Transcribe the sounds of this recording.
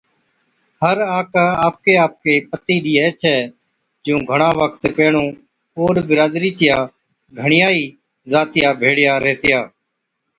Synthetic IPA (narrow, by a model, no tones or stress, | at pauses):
həɾaːkaːaːp̚keːaːp̚keːpət̪iːɗiːɛːt͡ʃʰɛː | d͡ʒõːɡʱəɳãːʋək̚t̪peːɳõː | oːɗbɪɾaːd̪ɾiːt̪ɪjãː | ɡʱəɳɪjaːiː | zaːt̪ɪjaːbʱeːɽɪjaːɾɛːt̪ɪjaː